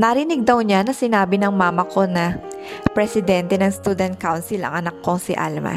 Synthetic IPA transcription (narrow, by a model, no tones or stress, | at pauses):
nɐɾɪnɪɡ̚d̪ɐwɲanɐsɪnaːbɪnɐŋmaːmɐko̞nɐ | pɾɛsɪd̪ɛnt̪ɛnɐŋst̪uːd̪ɛnt̪̚kawnsɪlɐ̰ŋʔɐnɐkːosɪʔa̰lmɐ̰